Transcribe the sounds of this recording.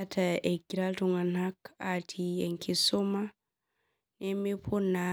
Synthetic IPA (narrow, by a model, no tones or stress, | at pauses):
atʰaɛɡiɾaltuŋanhakatʰiɛŋkʰisɔma | nɛmipʰuna